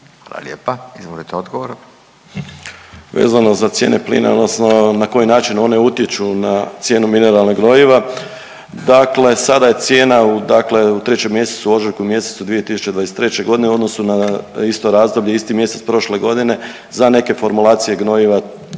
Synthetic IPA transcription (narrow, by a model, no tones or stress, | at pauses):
a̰ːlˠa̰ljeːpaizʋolit̪eod̪ɡoʋoɾ | ʋḛːzano̞zat̪sjeːneplḭːna̰o̞d̪nosno̞nako̞jinaːt͡ʃino̞ne̞ut̪je̞t͡ʃunat̪sje̞ːnumine̞ɾalnoɡno̞jiʋa | d̪akle̞sad̪aje̞t̪sje̞ːnaud̪akle̞ut̪ɾe̞t͡ɕemje̞set̪suo̞ziɾkumje̞set̪sud̪ʋije̞t̪isu̥t͡ʃeʋaeset̪ɾe̞t͡ɕe̞ɡo̞d̪ineuod̪nosunaist̪o̞ɾaːzd̪o̞bʎeist̪imje̞se̞t̪spɾo̞ʃle̞ɡo̞d̪ine̞ | zane̞ke̞fo̞ɾmulˠaːt̪sije̞ɡno̞jiʋa